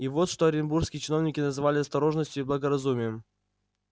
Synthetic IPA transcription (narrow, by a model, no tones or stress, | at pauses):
ivo̞t̪ʂt̪oɐɾʲɪnburfskʲɪjɪt͡ɕɪnovnʲɪkʲɪnəzɨvalʲɪɐst̪ɐɾo̞ʐnəsʲtʲjʊiblˠəɡəɾɐzumʲɪjəm